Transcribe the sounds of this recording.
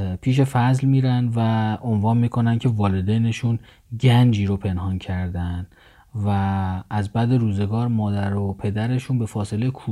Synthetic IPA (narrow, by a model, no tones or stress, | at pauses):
pʰiːʃ̬e̞fæzlmiːɾænd̪væonvɒːnmiːkʰo̞næncʰe̞vɒːled̪ejne̞ʃun | ɟænd͡ʒiːɾopʰe̞nɦɒːncʰæɾd̪ænd̪ | væːzbæd̪e̞ɾuːze̞ɡɒːɾmɒːd̪æɾopʰe̞d̪æɾe̞ʃuːnbe̞fɒːse̞lekʰuː